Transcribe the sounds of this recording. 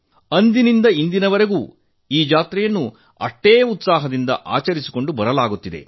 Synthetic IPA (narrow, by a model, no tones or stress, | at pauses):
ɐnd̪inind̪ɐind̪inɐʋɐɾe̞ɡuː | iːd͡ʒaːt̪ɾɛjɐnːu | ɐ̰ʈːeːjɐut̪saːɦɐd̪ind̪ɐ̰ʔa̰ːt͡ʃɐɾisi̥ko̞ɳɖubɐɾɐlaːɡut̪ːid̪e̞̰